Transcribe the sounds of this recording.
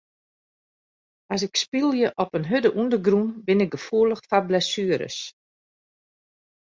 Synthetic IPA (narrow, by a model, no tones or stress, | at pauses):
as̬ɪkspilˠjəʔɔpənɦødəʔundəɡrunbɪnɪɡ̚ɡəfuələxfablɛsyəɾə̰s